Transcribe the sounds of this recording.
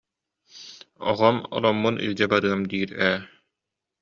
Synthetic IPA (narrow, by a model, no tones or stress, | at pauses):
ɔ̰ʁɔmɔ̰lɔmːunʔḭlʲd͡ʑɛbaɾɯɐmd̪iːɾɛː